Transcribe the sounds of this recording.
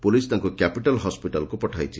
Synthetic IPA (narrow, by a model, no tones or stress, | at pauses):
pulist̪aŋkukapiʈalɦɔspiʈalɔkupɔʈʰajt͡ʃʰi